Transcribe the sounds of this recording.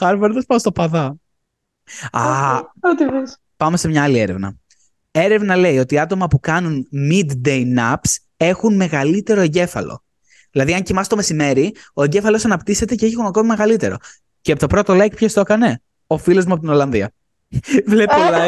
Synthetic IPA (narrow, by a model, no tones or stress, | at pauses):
xɐɾveɾðespɐst̪opɐðɐ | ɐot̪ives | pɐmese̞mɲɐɐlieɾe̞̰vnɐ̰ | e̞ɾe̞vnɐle̞io̞t̪iɐt̪o̞mɐpukɐnunmid̪d̪ejnɐps | e̞xunme̞ɣɐlit̪e̞ɾo̞eɲɟe̞fɐ̰lo̞̰ | ðilɐðiɐɲcimɐst̪ome̞sime̞ɾio̞eɲɟe̞fɐlo̞sɐnɐpt̪ise̞t̪e̞ceeçiɣonɐko̞mimeɣɐlit̪e̞ɾo̞̰ | ceɐpt̪o̞pɾo̞t̪olɐcipçest̪o̞kɐne̞ | o̞filozmuɐpot̪ino̞lɐnðiɐ | vlepolɐ